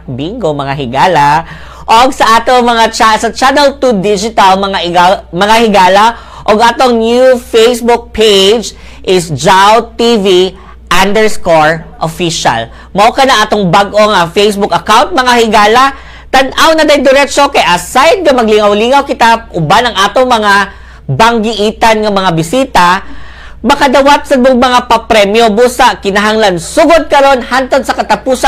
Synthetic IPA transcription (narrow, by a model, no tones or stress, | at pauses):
biŋɡomɐŋaɦɪɡaːlɐ | ʔoɡsɐʔaːt̪oŋmɐŋat͡ʃasɐt͡ʃanɛlt̪ud̪id͡ʒɪt̪ɐlmɐŋaɪɡamɐŋahɪɡaːlɐ | ʔoɡʔaːt̪oŋnjufejsbʊk̚pʰejd͡ʒ | ʔɪsd͡ʒawt̪ivi | ʔand̪ɛɹskoɹʔofiʃɐ̰l | mɐʔokɐnɐŋʔaːt̪oŋbaɡʔo̞ŋɐfejsbʊkɐkawnt̪̚mɐŋahɪɡaːlɐ | t̪ɐnʔawnɐd̪ɐjd̪ɪɾɛt͡ʃokɐjʔasajd̪̚ɡɐmɐɡlɪŋawliŋawkɪt̪aʔʊbanɐŋʔaːt̪oŋmɐŋa | bɐŋɡɪʔiːt̪ɐnŋɐmɐŋabɪsiːt̪ɐ | mɐkɐd̪awat̪̚sɐd̪oŋmɐŋapɐpɾɛmjobuːsaʔkɪnɐɦaŋlansuɡod̪̚kɐɾo̞nhant̪od̪̚sɐkɐt̪ɐpuːsa